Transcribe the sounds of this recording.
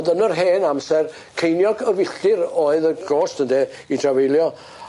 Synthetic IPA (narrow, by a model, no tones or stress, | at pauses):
dənərɦeːnamsɛr | kʰejnjɔɡəvɪɬɪɾoːɨðəɡoːstəndɛ | idravejlˠjɔ